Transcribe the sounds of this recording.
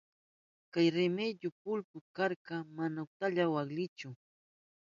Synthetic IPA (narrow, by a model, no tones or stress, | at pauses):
kajɾɪmeʎʊpʊlpʊkaɾɢɑmanaʊt̪aʎawaχlɪt͡ʃʊ